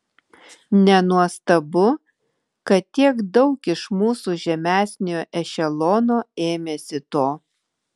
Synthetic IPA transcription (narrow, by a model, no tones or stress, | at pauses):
nʲɛnuɔst̪ɐbʊ | kɐt̪t̪ʲiɛkd̪ɒʊkɪʃmuːsuːʒʲɛmʲæːsʲnʲɪjoːʔɛʃʲɛlˠɔːnoːeːmʲesʲɪt̪oː